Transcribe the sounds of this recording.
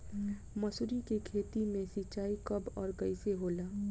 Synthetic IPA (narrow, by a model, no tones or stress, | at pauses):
məsʊɾikekʰeːt̪imẽsit͡ʃaːikɐbɔːɾkəɪseɦoːlaː